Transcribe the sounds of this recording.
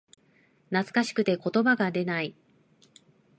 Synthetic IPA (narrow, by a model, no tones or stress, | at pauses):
nat͡sɨ̥kaɕi̥kɯ̟t̪e̞ko̞t̪o̞baɡad̪e̞nai